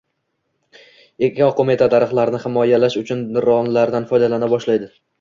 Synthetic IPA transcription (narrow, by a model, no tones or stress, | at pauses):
ekʲʰaɒqʰomet̪ʰat̪ʰaɾɨχlˠaɾnɪhɪmɒjalaʃʊt͡ʃʰʊnɪɾɒnlaɾd̪anfɒjd̪alanabɒʃlajd̪ɪ